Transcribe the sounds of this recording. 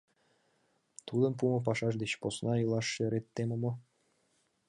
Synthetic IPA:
t̪ud̪ə̆np̬umə̆p̬ɑʃɑʃ̬d̪et͡ɕposnɑɤlˠɑʃːeɾet̪ːemə̆mŏ

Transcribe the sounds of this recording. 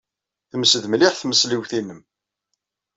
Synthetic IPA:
θəməsəðmliħθməsliwθinəm

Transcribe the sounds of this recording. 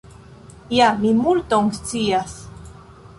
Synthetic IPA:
jamimult̪oŋst͡sias

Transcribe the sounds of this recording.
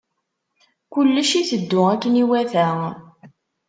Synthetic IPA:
kʊlːəʃiθəd̪ːʊækːniwæθæ

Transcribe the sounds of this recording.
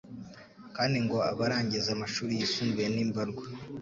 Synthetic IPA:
kaːndiŋɡo̞a̰βaɾaːɲɟizamaʃuːɾijisuːŋɡejeniːmbaɾɡwa

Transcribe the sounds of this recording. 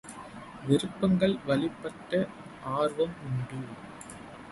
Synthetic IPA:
ʋɪɾɯpːɐŋɡɐɭʋɐlɪpːɐʈːɐ | ʔaːɾʋɐmʊɳɖɯ

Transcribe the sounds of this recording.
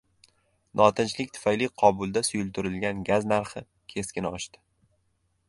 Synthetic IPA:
nʔɒt̪ʰɪnt͡ʃlɪkʲt̪ʰʊ̥fajlɪqʰɒbʊlˠd̪asʊjʊlˠt̪ʰʊɾɪlɡʲanɡʲaznaɾχɪ | kʲʰe̞skʲɪnɒʃt̪ɪ̥

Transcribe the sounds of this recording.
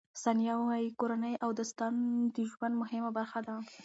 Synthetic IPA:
sɑnjɑwɑjikoɾanəjʔawd̪əst̪and̪iʒwand̪mʊhɪmabaɾxad̪a

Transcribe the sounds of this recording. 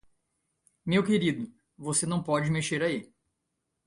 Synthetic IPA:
mewkeɾid̪ʊ | vosenɐ̃w̃pɔd͡ʒɪmeʃeɾai

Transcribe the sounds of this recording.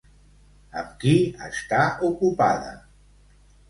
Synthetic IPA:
əmkiəst̪aukupaðə̰

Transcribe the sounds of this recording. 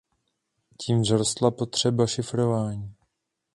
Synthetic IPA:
ciːmzɾost̪lapo̞t̪r̝̥ɛbaʃɪfɾo̞vaːɲiː

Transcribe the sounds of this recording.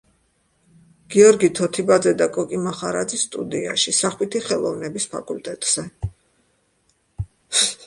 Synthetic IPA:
ɡ̥iɔɾɡit̪ʰɔt̪ʰibad̪zɛd̪akʼɔkʼimaχaɾad̪zisːt̪ʼṵd̪ia̰ʃisaχwit̪ʰiχɛlˠɔ̰vnɛbispʰa̰kʼult̪ʼɛt̪ʼz̥ɛ

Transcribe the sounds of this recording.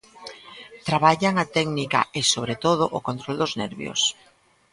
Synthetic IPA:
t̪ɾaβaʎaŋat̪ɛɡnika̰ɪsoβɾet̪oð̞ʊʔokont̪ɾold̪oznɛ̰ɾβj̰o̰s

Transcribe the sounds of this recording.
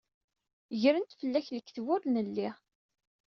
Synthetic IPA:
ʝɾənt̪fəlːæçləkːθvʊɾnəlːi

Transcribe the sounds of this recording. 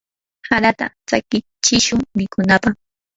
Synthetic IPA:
haɾat̪a̰t͡sa̰kɪ | t͡ʃɪʃʊŋmɪkʊnapaχ

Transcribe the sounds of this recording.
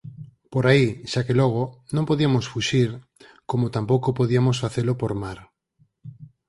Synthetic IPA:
poɾaiʃakeloɣ̞onõmpoðiamosfuʃiɾ | komot̪ampowkopoðiamosfaθelopoɾmaɾ

